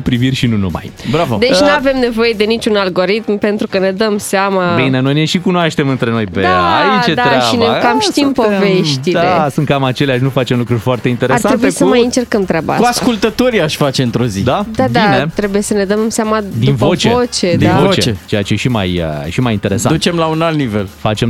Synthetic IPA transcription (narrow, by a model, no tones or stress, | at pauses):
pɾivirʲʃinunuma̰jbɾavod̪e̞t͡ʃnnuave̞mne̞vo̞je̞d̪e̞nit͡ʃunalɡo̞ɾit̪mpe̞nt̪ɾukəne̞d̪əmseamabineno̞jneʃikunoaʃt̪emɨnt̪ɾe̞nojpeajit͡ʃet̪aɾeaʃinekamʃt̪impovveʃt̪ilesɨnt̪̚kamat͡ʃe̞leaʃ̬nufat͡ʃemlukɾurʲfoart̪e̞int̪e̞ɾeaɾtsanɾebuesəmajɨnt͡ʃe̞rkəmt̪ɾʲabaa̰kuaskult̪ət̪oɾiaʃʲfat͡ʃe̞ɨnt̪ɾo̞zḭd̪ad̪ad̪anet̪ɾe̞buje̞səne̞d̪əmsamad̪invot͡ʃveot͡ʃe̞d̪ivot͡ʃt͡ʃeet͡ʃejat͡ʃeeʃima̰jə̰ʃimajint̪e̞ɾesand̪ut͡ʃemlaunalt̪nivelfat͡ʃe̞m